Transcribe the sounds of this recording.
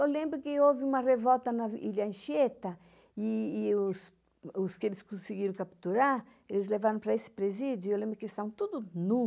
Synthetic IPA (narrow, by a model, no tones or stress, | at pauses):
ewlẽmbɾʊkɪowvɪũmɐrevɔwt̪ɐnɐḭʎɐẽʃet̪ɐ | iːʊs | ʊskelɪskõsiɡiɾɐ̃w̃kapt̪uɾaɾelɪzlevaɾɐ̃pɾɐesɪ̥pɾezid̪jʊiewlẽmbɾʊkelst̪ãt̪ud̪ʊnu